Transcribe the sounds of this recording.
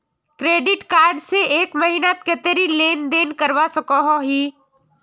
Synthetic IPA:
kɾeːɖɪʈkaːɾɖseeːkmɐɦiːnat̪kət̪eɾileːnd̪eːnkəɾʋasəkõɦoɦiː

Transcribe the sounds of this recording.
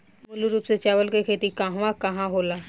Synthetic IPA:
mʊluɾuːpset͡ʃaːʋəlkekʰeːt̪ikɐɦʋakɐɦãɦoːlaː

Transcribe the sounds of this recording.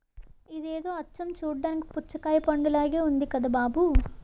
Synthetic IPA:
id̪eːd̪oːɐt͡ʃːɐmt͡ʃuːɽːaːniki̥put͡ʃːɐkaːjɐpɐɳɖɐlaːɡeːund̪ikɐd̪ɐbaːbu

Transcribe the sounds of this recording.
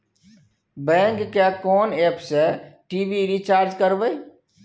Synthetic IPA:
bɛ̃ːŋkːjakɔːneːpsɛʈiːbiɾit͡ʃaːɾd͡ʒkəɾʋə

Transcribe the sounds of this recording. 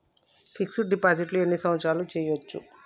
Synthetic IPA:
pʰiksuʈɖipaːd͡ʒiʈluenːisɐmɐt̪ʃaːlut͡ʃɛːjʋot͡ʃːṵ

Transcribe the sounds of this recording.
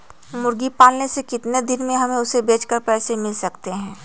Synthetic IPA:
mʊɾɡipaːlnesekɪt̪ned̪ɪnmẽɦɐmẽʊsebeːt͡ʃkəɾpɛːsemɪlsɐkt̪eɦɛ̃ː

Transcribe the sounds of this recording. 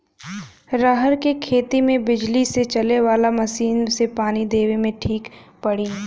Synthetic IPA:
ɾaɦəɾkekʰeːt̪imẽbɪd͡ʒliset͡ʃɐleʋaːlamɐʃiːnsepaːnid̪eːʋemẽʈʰiːk | pɐɽiː

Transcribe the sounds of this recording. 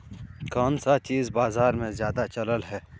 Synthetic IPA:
kaːnsat͡ʃiːzbaːzaːɾmẽzjaːd̪at͡ʃɐləlɦɛː

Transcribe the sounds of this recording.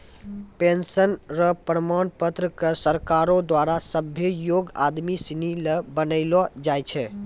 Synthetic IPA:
pensənɾəpɾəmanpət̪ɾəkəsəɾkaɾod̪waɾasəbʱjəjoɡa̰d̪misinilebənəɪlɔd͡ʒajt͡ʃʰɛ

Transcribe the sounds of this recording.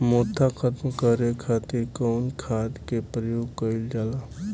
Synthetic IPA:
moːt̪ʰːakʰət̪mkəɾekʰaːt̪ɪɾkɔʊnkʰaːd̪kepɾəjoːɡkəɪld͡ʒaːlaː

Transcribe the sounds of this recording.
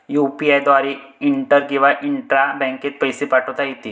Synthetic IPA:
jupiajd̪ʋaɾi | iɳʈəɾkĩw̃ʋaʔiɳʈɾabɛ̃ŋket̪̚pəjsepaʈʰəʋt̪ajit̪i

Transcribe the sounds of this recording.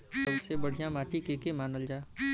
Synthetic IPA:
kəbsebəɽ̤ijãmaːʈikeːkemaːnəld͡ʒaː

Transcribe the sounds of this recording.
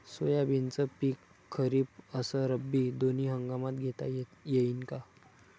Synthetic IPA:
sojabint͡səpiːkʰː | əɾiːpəsəɾəbːid̪oniːɦəŋɡamat̪ɡʱet̪a̰jeinka

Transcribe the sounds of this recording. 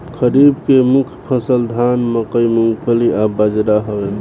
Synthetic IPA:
kəɾibkemukʰpʰəsəld̪ʱanməkəimuŋɡpʰəliʔabəd͡ʒɾaɦəbe

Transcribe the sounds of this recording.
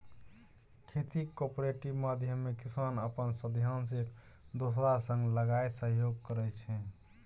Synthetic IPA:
kʰet̪ikopɾeʈibmad̪ʱjəmːekisanəpənsəd̪ʱjansik | d̪osɾasə̃ŋɡləɡaesəɦjoɡ̚kəɾɛt͡ʃʰɛ

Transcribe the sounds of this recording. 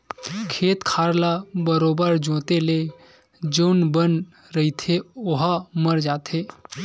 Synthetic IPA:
kʰeːt̪kʰaːɾlabəɾoːbəɾd͡ʒõːt̪ele | d͡ʒoːnbən | ɾəɦit̪ʰeoɦaməɾd͡ʒaːt̪ʰeː

